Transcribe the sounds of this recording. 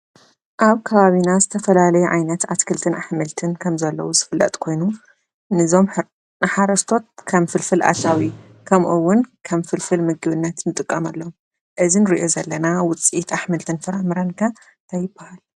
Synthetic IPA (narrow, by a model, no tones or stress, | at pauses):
ʔaβkʰɐβaβinazɨt̪ʰɐfɐlalɐjuʕajnɐt̪ʕat̪kʰɨlt̪ʰɨnaħmɨlt̪ʰɨnkʰɐmzɐlːɐ̰wuzɨfɨlːɐ̰t̪ʼkʰo̞jnu | nɨzo̞m | nɨħaɾɐst̪ʰo̞t̪̚kʰɐmfɨlfɨlʔa̰sawi | kʰɐmʔuwːʊnkʰɐmfɨlfɨlmɨɡɨβɨnːɐt̪nɨt̪ʼɨkʼːɐmalːom | ʔɨzinɨɾiʔo̞zɐlːɐnawʊt͡sʼit̪ʰaħmɨlt̪ʰɨnfɐɾamɨɾankʰa | nt̪ʰajːɪb̥ːahal